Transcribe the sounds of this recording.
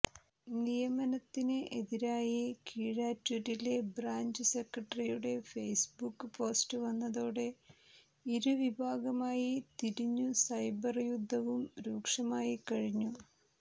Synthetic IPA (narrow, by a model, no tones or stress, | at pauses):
nijɐmɐnɐt̪ːinɨʔeðiɾaːjikiːɻaːtːuɾile̞braːɲd͡ʑɨsekrɐʈːɐrijuɽe̞fejsbukːɨpo̞ːstɨʋɐnːɐðoːɽe̞ | iɾuʋibʱaːɡɐmaːjit̪iɾiɲːusɐjbɐrjud̪ʱːɐʋumɾuːkʂɐmaːjikɐɻiɲːu